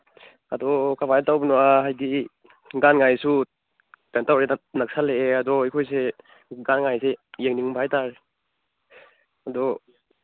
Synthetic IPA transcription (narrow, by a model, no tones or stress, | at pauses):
adɔkʰabʱajtawbnuaɦajdi | ɡanŋajsu | tantawɾenak̚saleeadɔhijkʰɔjse | ɡanŋajsejeŋniŋbʰʱajtaɾe | adɔ